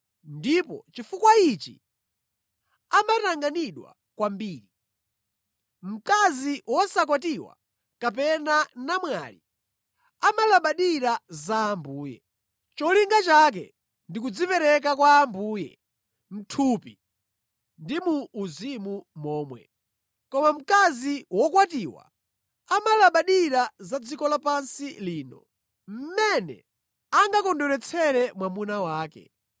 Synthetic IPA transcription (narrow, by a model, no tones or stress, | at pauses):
ndipɔ̰t͡ʃifukwait͡ʃḭ | amataŋɡaniɗwa̰ | kwambiːɾi | m̩kaziwɔsak̬ɔt̬iwa̰ | kapɛnanamwa̰lḭ | amalaɓaɗiɾazaːmbuːjɛ̰ | t͡ʃɔliŋɡat͡ʃak̬ɛ̰ | ndik̬ud͡zipɛɾɛk̬akwaːmbuːjɛ̰ | m̩tʰupi | ndimuːzimumɔːmwɛ̰ | kɔmam̩kaziwɔkwatiːwa̰ | amalaɓaɗiɾazad͡zikɔlapansiliːnɔ̰ | m̩mɛnɛ̰ | aŋɡakɔndɔɾɛt͡sʰɛɾɛmwamunawaːkɛ̰